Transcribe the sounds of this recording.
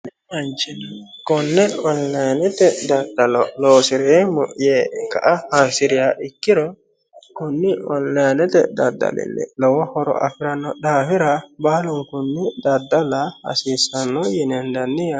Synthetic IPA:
ɛmɐnt͡ʃɪnkɔnːɛɔnlɛnɛt̪ɛd̪ɐd̪ɐlɔloːsɪɾɪemɔ̰ʔjeːkɐ̰ʔɐhaːsɪɾɪjaʔɪkːɪɾɔ | kʊnːɪɔ̰nlanɛt̪ɛ̰d̪ɐd̪ːɐ̰lɪ̰lːɛ̰lɔwɐhɔɾɔ̰ʔɐ̰fɪɾɐnːɔɗaːfɪɾɐbaːlʊŋkʊnːɪd̪ɐd̪ːɐlahɐ̰siːsɐnːɔjɛnɛnd̪ɐnːɪja

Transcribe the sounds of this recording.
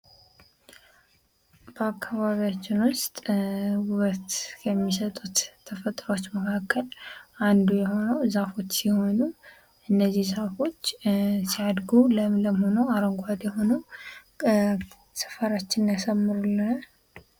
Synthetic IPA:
b̥əakːaβaβijat͡ʃːɪnwʊst̪ʼwuβət̪jɛmːisət̪ʼut̪ʰːəfət̪ʼɾəwot͡ʃːməkʰakːəlʔand̪ujɛho̞nəwzafo̞t͡ʃːsiho̞nu | ʔɨnːəzːihzafo̞t͡ʃːsiad̪ɡuləmləmhonəwaɾəŋɡʷad̪jɛɦo̞nəw | sɨ̥fəɾat͡ʃːɪnjasəmːɨɾulːə

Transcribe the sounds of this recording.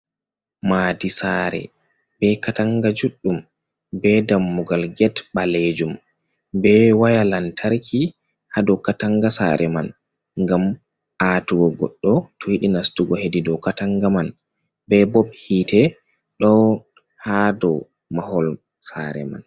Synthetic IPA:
madisaɾɛ̰ | b̥ɛkataŋɡad͡ʒuɗːum | bɛdamːuɡalɡɛtbaled͡ʒum | bɛwajalantʰaɾkʰi | hadɔkataŋɡasa̰ɾɛman | ŋɡam | ʔatuɡɔɡɔ̰ɗːɔtʰɔhiɗinastuɡɔhedidɔkataŋɡaman | bɛbɔɓhiːtɛ | ɗɔ | hadɔ | mahɔl | sa̰ɾɛ̰ma̰n

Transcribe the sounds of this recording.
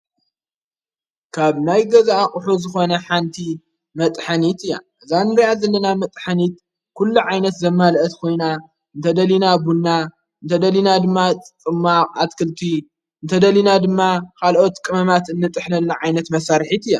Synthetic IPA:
kʰaβnajɡɐzaʔaχʼʊħuzɨxo̞nɐħant̪ʰi | mɐt̪ʼħanit̪ɨjːa̰ʔɨzanːɨɾiazɐlːɐnamɐt̪ʼħanit̪̚ | kʰulːuʕajnɐt̪zɐmːalʔɐt̪kʰo̞jna | ɨnt̪ʰɐd̪ɐlinabunːa | ɨnt̪ʰɐd̪ɐlinad̪ɨmːat̪ʼt͡sʼɨmːaat̪kʰɨlt̪ʰi | ɨnt̪ʰɐd̪ɐlinad̪ɨmːakʰalʔo̞t̪kʼɨmɐmat̪ɨnːɨt̪ʼɨħnɐlːaʕajnɐt̪mɐsaɾħit̪ɨjːa

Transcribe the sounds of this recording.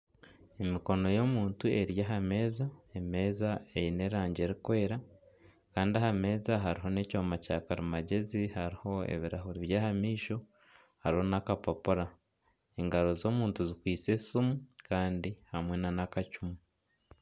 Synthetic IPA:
emiko̞no̞jo̞muːntue̞ɾjaɦame̞ːzaeme̞ːzaejine̞ɾaːɲɟe̞ɾikwe̞ːɾa | kaːndiahame̞ːzaɦaɾiɦo̞ne̞coːmacakaɾimaɟe̞zihaɾiho̞ḛβiɾaɦuɾiβjaːhamiːʃo̞ | haɾiho̞nakapapuɾa | eŋɡaɾo̞zo̞ːmuːntuzikwiːt͡se̞sumukaːndihamwenanakacumu

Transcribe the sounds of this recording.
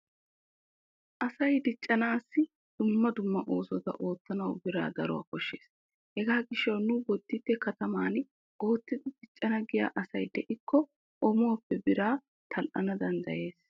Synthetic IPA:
ʔɐsɐjd̪ɪt͡ʃʼːɐnaːsːɪ | d̪̥ʊmːɐd̪ʊmːɐʔo̞ːsɔt̪ɐ̰ʔo̞ːt̪ːɐnɐwbɪɾa̰ːd̪ɐɾɔ̰wa̰ːkɔʃːe̞̰ːs | hɛɡaːɡɪʃːɐwnʊbɔt̪ːɪt̪ːɛkɐt̪ɐmaːn | ʔo̞ːt̪ːɪd̪ɪd̪̥ɪt͡ʃʼːɐnɐɡɪja̰ːʔɐsɐjd̪ɛʔɪkːɔ | ʔɔmoːpːɛbɪɾaː | t̪ʰɐlʔɐnɐd̪ɐnd̪ɐ̰je̞ːs

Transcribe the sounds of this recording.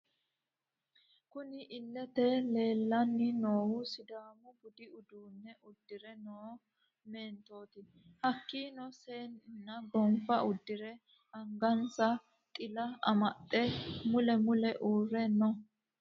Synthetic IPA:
kʊnɪʔɪlːɛt̪ɛle̞ːlːɐnːɪnoːwʊsɪd̪aːmʊbʊd̪ɪʊd̪uːnːɛʔʊd̪ːɪɾɛnoː | me̞ːnt̪o̞ːt̪ɪ | hɐkːiːnɔseːnnːɐɡɔmfɐʔʊd̪ːɪɾɛ | ɐŋɡɐnsɐ | t̪ʼɪlɐɐ̰mɐtʼːɛmʊlɛmʊlɛʔuːrːɛnːɔ

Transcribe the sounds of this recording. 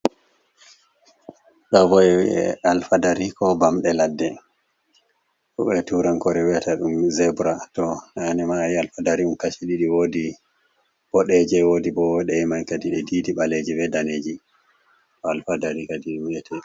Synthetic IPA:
ɗɔvɔjwḭɛ̰alfadaɾikɔbamɗɛladːɛ | kṵɓɛtuɾankɔɾɛwiataɗumzɛbɾatɔnaːnɛmajialfadaɾiumkaʃiɗiɗiwodi | b̥ɔɗɛd͡ʒɛwodibɔwɔɗɛɛmajkadiɗɛdidiɓaled͡ʒibɛdaneːd͡ʒi | tɔalfadaɾikadiɗwiɛtɛ

